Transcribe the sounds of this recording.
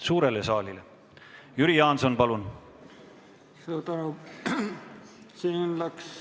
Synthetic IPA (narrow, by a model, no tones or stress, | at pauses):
suːɾe̞lesɑːlile̞ | jyɾijɑːnso̞npɑlun | suːɾt̪ɑnu | sinlæks